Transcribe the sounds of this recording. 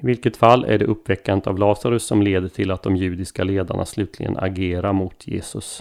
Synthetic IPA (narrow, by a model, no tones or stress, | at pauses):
ɪvɪlkət̪falːæ̰ɖɛʔɵpːvɛkːant̪avlɑːsaɾɵsːɔmleːd̪əʈʰɪlat̪̚d̪ɔmjʉ̟ːd̪ɪskaleːd̪a̰ɳa̰slʉ̟ːt̪ʰlɪɡə̰na̰ɡeːɾaɾmʊt̪ʰjḛːsɵs